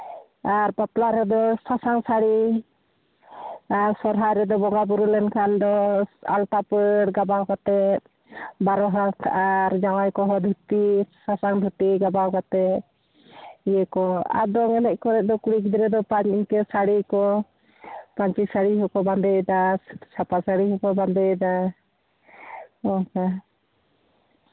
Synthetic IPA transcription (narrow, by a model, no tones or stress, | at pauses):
aɾpap̪laɾɛd̪ɔsasaŋsaɽi | aɾsɔɾɦajɾɛd̪ɔbɔŋɡabuɾulɛnkʰand̪ɔa̰lt̪apəɽɡabawkat̪ɛt̪̚ | baɾɔɦast̪ʰaʔaɾd͡ʒawajkɔɦɔd̪ʱut̪isasaŋd̪ʱut̪iɡabawkat̪ɛt̪̚ | ijɛkɔa̰d̪ɔŋɛnɛkɔɾɛʔ̚d̪ɔkuɽik̬id̪ɾɛd̪ɔpaɲiɲkɛsaɽikɔ | paɲt͡ʃisaɽiɦɔkɔband̪ɛjd̪asʰapasaɽiɦɔkɔband̪ɛd̪a | ɔka